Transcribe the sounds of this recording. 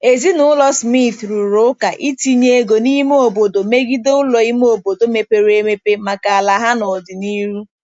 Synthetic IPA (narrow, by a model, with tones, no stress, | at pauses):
e˨zi˦nʊ˨˦lɔ˦smi˦t̪ɾu˨ɾo˦ka˨ʔi˦ti˦ɲe˦e˦ɡo˨ni˦m˦o˨bo˨do˨me˦ɡi˦do˦ʊ˦lɔ˨i˦m˦o˨bo˨do˨me˨pe˨ɾe˦me˦pe˦ma˨ka˨a˨la˨ɦa˦nɔ˨dɪ˨ni˦ɾu˦